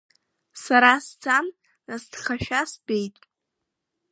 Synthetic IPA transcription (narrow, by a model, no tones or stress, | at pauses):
saɾasd͡zam | nasd̥χaʃᶣasbe̞jtʼ